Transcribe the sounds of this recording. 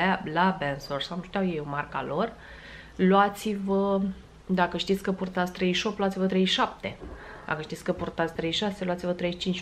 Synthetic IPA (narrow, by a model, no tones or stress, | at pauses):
alabensorsamʃt̪ʲjawjejomarka̰lo̞r | lwat̪sivə | d̪akəʃt̪it̪sʲkəpurt̪at̪sʲt̪ɾe̞jʃo̞p̚t̪lwat̪sivət̪ɾejʃʃap̚t̪e̞ | d̪a̰kəʃt̪it̪sʲkəpurt̪at̪sʲt̪ɾejʃase̞luat̪sivət̪ɾejʃt͡ʃint͡ʃʲ